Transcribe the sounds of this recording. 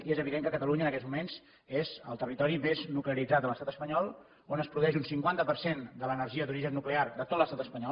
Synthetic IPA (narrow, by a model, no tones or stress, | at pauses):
iezəβiðeŋkəkət̪əluɲənəkɛt̪zmumenz | ezə̰lˠt̪ərit̪ɔɾimeznukleəɾid͡zat̪ələst̪at̪əspəɲɔlˠ | onəspɾuðuɛʒunsiŋkwant̪əpəɾsend̪ələnərʒiəd̪uɾiʒənːukleard̪ət̪ot̪ləst̪at̪əspəɲɔ